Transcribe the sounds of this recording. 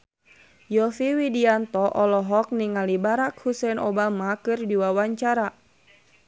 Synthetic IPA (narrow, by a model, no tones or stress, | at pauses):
jɔfiwidiant̪ɔʔɔlɔɦɔk̚niŋalibaɾakhusɛnʔɔbamakɨrdiwawaɲt͡ʃaɾa